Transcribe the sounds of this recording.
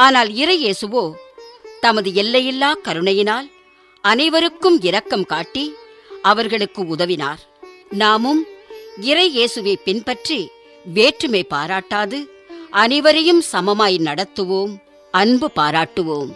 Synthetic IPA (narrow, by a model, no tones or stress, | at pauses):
aːnaːlɪɾɐɪjeːsɯʋoːt̪ɐmɐðɯɛlːɐjɪlːaːkɐɾɯɳɐjɪnaːl | ɐnɐɪʋɐɾɯkːɯmɪɾɐkːɐmkaːʈːi | ɐʋɐɾɣɐɭɯkːɯʊðɐʋɪna̰ːɾ | naːmɯmɪɾɐɪeːsɯʋeːpɪnpɐʈri | ʋeːʈrɯmeɪpːaːɾaːʈːaːðɯ | ʔɐnɐɪʋɐɾɐjɯmsɐmɐmaːjnɐɽɐt̪ːɯʋoːm | ɐnbɯpaːɾaːʈːɯʋoːm